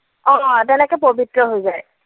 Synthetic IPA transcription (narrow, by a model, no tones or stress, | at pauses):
ɔ̃tɛnɛkɔpobitɹɔɦojzaj